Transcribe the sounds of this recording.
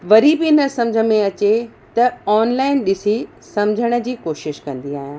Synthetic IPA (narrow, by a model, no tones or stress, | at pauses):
ʋɐɾibɪɪnə̆sɐ̃md͡ʑʱə̆mẽɐt͡ɕe | t̪ɐɔːnlaːɪnɗɪsi | sɐ̃md͡ʑʱəɽ̃ə̆d͡ʑiːkoːʃɪʃkɐ̃nd̪iaːɦijãː